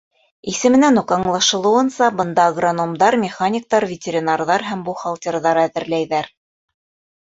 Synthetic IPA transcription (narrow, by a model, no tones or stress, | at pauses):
isɘ̆mɘ̆nænuqɑɴlˠɑʃɤ̆lˠɤ̆wɤ̆nsɑbɤ̆nd̪ɑɡranomd̪ɑɾmʲɪχanʲɪk̚t̪ɑɾvʲɪtʲeɾʲinarðɑɾɦæmbuχolˠtʲeɾðɑɾæðɘ̆ɾlæjðæɾ